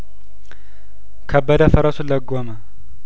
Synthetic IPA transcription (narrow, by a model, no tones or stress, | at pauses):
kʰɐbːəd̪ɐfɐɾɐsuləɡːomɐ